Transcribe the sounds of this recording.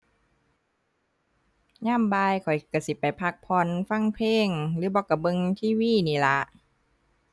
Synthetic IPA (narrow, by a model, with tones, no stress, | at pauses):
ɲaː˥˩˨mbaː˧jkʰɔ˨˩jka˧˩si˧˦pa˨˩jpʰa˧˥k̚pʰɔ˧˥nfa˧˥˩ŋpʰleː˧˥˩ŋlɯː˨˦bɔː˧ka˧˩bɤ˧ŋt̪ʰiː˧˥˩wiː˧˥˩niː˧˩˨la˧˦ʔ